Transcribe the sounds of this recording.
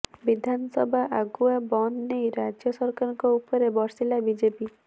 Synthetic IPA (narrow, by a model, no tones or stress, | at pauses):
bid̪ʱansɔbʱaʔaɡuabɔnːejɾad͡ʒjɔsɔɾkaɾɔŋkɔupɔɾebɔɾsilabid͡ʒepi